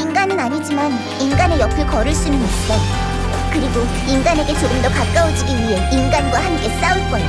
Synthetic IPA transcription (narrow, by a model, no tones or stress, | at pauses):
inɡanɯnaɲid͡ʑiman | inɡane̞jʌpʰɯɭkʌɾɯɭs͈unɯnis̚t͡ɕ͈o | kɯɾiɡo | inɡane̞ɡe̞t͡ɕoɾɯmdʌkak̚k͈aod͡ʑiɡiɥiɦe̞inɡanɡwahamk͈e̞s͈auɭk͈ʌeo